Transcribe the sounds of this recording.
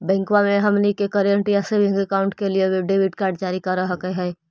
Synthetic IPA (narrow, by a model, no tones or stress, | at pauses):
bɛ̃ːŋkwamẽɦɐmnikekəɾiəɳʈiɛsebɪ̃ŋɡəkaːʊ̃ɳʈkelieʋeɖeːbɪʈkaːɾɖ̚d͡ʒaːɾikɐɾaɦɐkəɦɛː